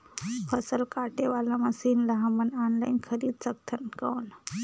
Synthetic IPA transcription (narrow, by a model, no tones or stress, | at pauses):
pʰəsəlkaʈeʋalamãsiːnlɐɦãmənaːnlainkʰəɾiːd̪̚sək̚t̪ʰənkəʋn